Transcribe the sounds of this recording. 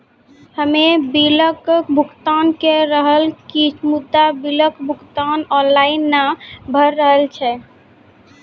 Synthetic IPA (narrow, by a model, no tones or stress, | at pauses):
həmebiləkbʱukt̪ankeɾəɦəlkimud̪ːabiləkbʱukt̪anɔnlainːabʱəɾːəɦəlt͡ʃʰɛ